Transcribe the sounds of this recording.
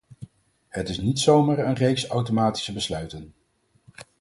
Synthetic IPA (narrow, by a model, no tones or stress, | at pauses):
hətɪsnitsowmaːɹənrejksɑwtomaːti̥səbəslœɥtən